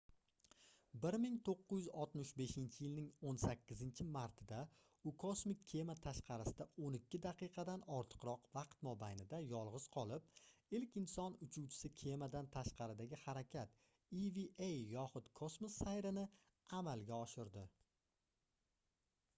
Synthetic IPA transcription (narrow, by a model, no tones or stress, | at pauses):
bɪɾmɪŋt̪ʰoqːɨzjʏzɒlˠt̪mɪʃbe̞ʃɪnt͡ʃʰɪjɪlnɪŋonsakʲːɪzɪnt͡ʃʰɪmaɾt̪ʰɪd̪a | ʊkʰosmɪkʲʰːe̞mat̪ʰaʃqʰɑɾɪsɪd̪aonɪkʲʰːɪd̪aqɨjqʰɑd̪anɒɾt̪ʰɨ̥qɾɒqvɑqt̪mobajnɪd̪ajɒlˠʁɨz̥qʰɒlˠɪp̚ɪlkʲɪnsɒnʊt͡ʃʰuwt͡ʃʰɪ̥sɪkʲʰe̞mad̪ant̪ʰaʃqɑɾɪd̪aɡʲɪhaɾakʲʰat̪ | iviʔejːɒχʊt̪kʰosmosːajɾɪnɪ | amalˠɡʲaɒʃɪɾd̪ɪ